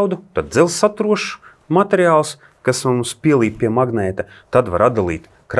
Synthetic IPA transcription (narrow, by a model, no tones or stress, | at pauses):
wd̪ut̪ad̪̚d̪zɛlˠsat̪ɾuɔʃ | mat̪ʲeɾjaːlˠs | kasamuspʲiɛlˠiːp̚pʲiɛmaɡnɛːt̪a | t̪ad̪vaɾad̪̚d̪alˠḭːt̪ | kɾ